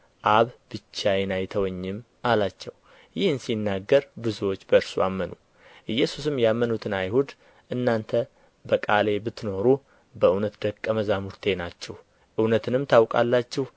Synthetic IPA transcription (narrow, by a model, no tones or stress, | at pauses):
ʔaβb̥ɨt͡ʃːajɛnajt̪ʰəwɔɲːɪm | ʔalat͡ʃːɛw | jɪhɨnsinːaɡːəɾbɨzuwot͡ʃːbəɨɾsuʔamːənu | ʔɨjːɛsusɨmjamːənut̪ʰɨnajhud̪ | ʔɨnːant̪ʰə | bəkʼale̞bɨt̪ːno̞ɾu | bəɨwnət̪d̪əkʼːəməzamuɾt̪ʰe̞nat͡ʃːɛh | ʔɨwnət̪ʰɨnɨmt̪ʰawkʼa̰lːat͡ʃːɛh